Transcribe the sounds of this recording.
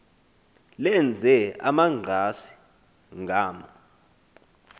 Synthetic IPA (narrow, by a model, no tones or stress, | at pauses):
lɛnd͡zʱɛa̰maŋ͡ǀʱasi̥ | ŋɡʱaːma